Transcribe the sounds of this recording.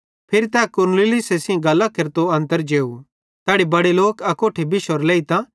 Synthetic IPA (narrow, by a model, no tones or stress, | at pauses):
pʰɪɾit̪ɛːkʊɾnlɪlɪsesĩɡɐlːakeɾt̪oɐ̃nt̪əɾd͡ʒeːu | t̪ɛːɽibɐɽeloːkɐkoːʈʰebɪʃoɾleːit̪ã